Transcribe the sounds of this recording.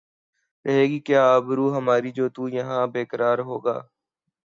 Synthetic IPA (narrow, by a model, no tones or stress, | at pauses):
ɾəɦeːɡiːkjaːbɾuːɦəmaːɾiːd͡ʒoːt̪uːjəɦãːbeːkəɾaːɾɦoːɡa̰ː